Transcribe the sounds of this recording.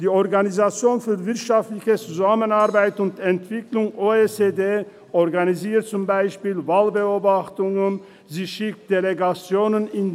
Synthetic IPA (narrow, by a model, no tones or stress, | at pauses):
d̥iːɔʁɡanizat͡sjoːnfyːɐvɪɐtʃaftlɪçət͡suzamənaʁbaɪtʊntɛntv̥ɪklʊŋʔoːet͡sedeː | ʔɔʁɡaniziːɐt̚t͡sʊmbaɪʃpiːlvaːlbəoːbaχtʊŋən | ziːʃɪk̚t̚d̥eleɡat͡sjoːnənɪn